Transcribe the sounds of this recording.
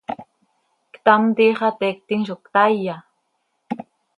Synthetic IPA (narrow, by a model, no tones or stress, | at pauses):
kt̪amt̪iχat̪ek̚t̪ɪŋʃokt̪aja